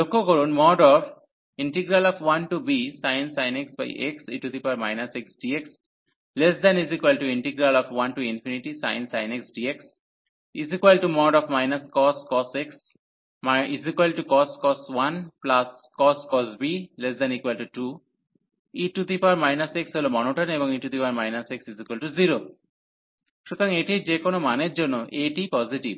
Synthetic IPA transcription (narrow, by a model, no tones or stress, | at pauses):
lokoɡoɾonmɔːɖɔːf | ɪ̃ɳʈiɡɾalɔfʋɐ̃nʈubisaɪ̃nsaɪneksba̰ɪʔeksiːʈut̪ipaɾmaɪnaseksɖieks | lesd̪ɛ̃nizikʋelʈuɪ̃ɳʈiɡɾalɔːfʋɐ̃nʈuĩnfʰiniʈisa̰ɪ̃nsaɪneksɖieks | izikʋelʈumɔːɖɔːfmaɪnɐskɔːskɔseks | mizikwalʈukɔskɔswanplas | kɔskɔsbilesd̪ɛnikwalʈuʈu | iʈut̪ipaɾmajnaseksɦolomɔnoʈɔnebɔŋiʈud̪ipaɾmajnaseksizikwalʈuziɾo | ʃut̪ɔɾɔŋeʈid͡ʒekonomaneɾd͡ʒonːoʔeʈipɔziʈib